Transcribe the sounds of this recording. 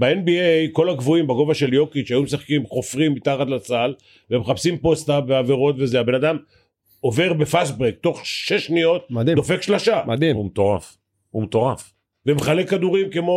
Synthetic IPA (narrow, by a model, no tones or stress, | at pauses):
beenbiejko̞laɡvuimbaɡo̞vaʃe̞ljo̞kiʃeajumes̬aχkimχo̞fʁimːit̪aχat̪lat͡sal | vemeχapsimpo̞st̪abeaveʁo̞t̪vezeabe̞nad̪am | o̞ve̞ʁbe̞fas̬bʁek̚t̪o̞χʃe̞ʃnijo̞t̪̚id̪o̞fe̞kʃlaʃamad̪imumet̪oʁaf | umet̪o̞ʁaf | vemeχale̞kːad̪uʁimke̞mo